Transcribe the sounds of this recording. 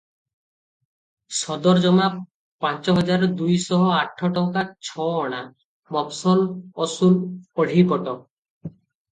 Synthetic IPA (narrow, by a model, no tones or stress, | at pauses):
sɔd̪ɔɾd͡ʒɔma | pãnt͡ʃɔɦɔd͡ʒaɾɔd̪ujsɔɦɔaʈʰːɔʈɔŋkat͡ʃʰɔɔɽ̃a | mɔpsɔlɔsulɔɽ̤ʱipɔʈɔ